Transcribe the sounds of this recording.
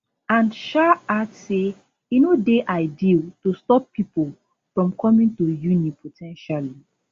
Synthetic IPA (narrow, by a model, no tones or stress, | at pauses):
ãnʃaatse | inodeʔaɪditustɔpʰːipol | fɹɔ̃mkʰɔmĩntujunĩpʰotʰɛ̃nʃali